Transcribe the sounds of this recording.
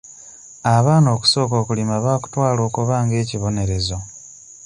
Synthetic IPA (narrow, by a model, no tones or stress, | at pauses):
aβaːno̞ːku̥so̞ːko̞ːkulimaβaːku̥twaːlo̞ːkuβaːŋɡe̞ːciβo̞ne̞ɾe̞zo̞